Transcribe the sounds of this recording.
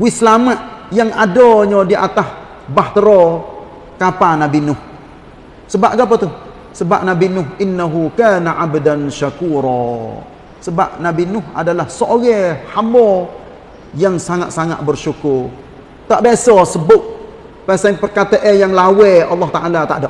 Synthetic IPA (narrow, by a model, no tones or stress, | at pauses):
wɪsəlamaʔjaŋʔadɔɲɔdiʔa̰t̪ah | baht̪əɾɔ | kapanabinʊh | səbaʔɡapat̪uh | səba̰p̚nabinʊhʔɪnːaɦukaːnaʔabdanʃakuːɾɔ | səba̰p̚nabinʊha̰dalahsoɣɛhamɔ | jaŋsaŋat̪̚saŋa̰ʔ̪̚bərʃukʊr | t̪aʔbasɔsəbʊʔ̚ | pasaŋpərkat̪əʔɛjaŋlawɛʔɑlːɑht̪aʔalat̪a̰ʔdaʔ